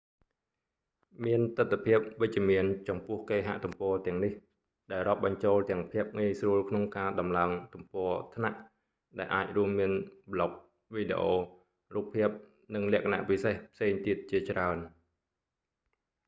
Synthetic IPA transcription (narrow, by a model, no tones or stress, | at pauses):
miənt̪ɨt̪ʰːapʰiəp̚ʋɨc̚t͡ɕ̆əmiənt͡ɕɑmpʊ̆əhkeːɦa̰ʔt̪umpɔːt̪ɛ̆əŋnih | ɗaɛlrŏəp̚ɓɑɲt͡ɕoːlt̪ɛ̆əŋpʰiəp̚ŋiəjsruəlkʰnoŋkaːɗɑmlaəŋt̪umpɔət̪ʰna̰ʔ | ɗaɛlʔaːc̚ruəmːiənɓlok̚ | ʋiːɗḛʔoː | ruːp̚pʰːiəp̚ | nɨŋlɛ̆əʔkʰana̰ʔpisehpʰseːŋt̪iət̪̚t͡ɕiət͡ɕraən